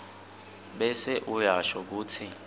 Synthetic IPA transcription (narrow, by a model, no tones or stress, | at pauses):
ɓɛsɛʔujaʃɔk̬uːt͡sʰi